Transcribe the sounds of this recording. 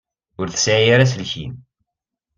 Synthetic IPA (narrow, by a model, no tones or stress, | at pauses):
ʊɾθə̥sʕijaɾas̬lçḭn